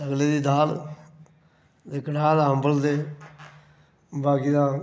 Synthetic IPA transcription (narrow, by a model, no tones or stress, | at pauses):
əɡleːd̪iːd̪aːl | d̪eːkəʈaːd̪aːɦəmbəld̪eː | baːɡiːd̪aː